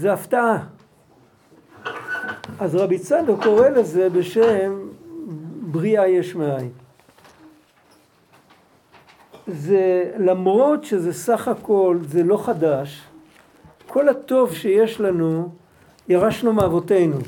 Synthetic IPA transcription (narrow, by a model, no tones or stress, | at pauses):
zeaftaʔa | ʔazʁabit͡sadoko̞ʁe̞leze̞be̞ʃem | bʁiajeʃmeaj | zelamʁo̞tʃeze̞saχhako̞lzelo̞χadaʃ | kʰo̞lato̞vʃeje̞ʃlanu | jaʁaʃnumeavo̞te̞jnu